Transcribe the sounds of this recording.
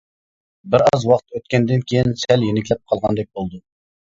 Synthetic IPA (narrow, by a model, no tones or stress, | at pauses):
bɪɾɑzwɑqt̪ʰøt̪̚kʲɛnd̪ɪnkʲʰejinsɛljenɪkʲlɛp̚qʰɑlˠʁɑnd̪ɛk̚ʲbolˠd̪u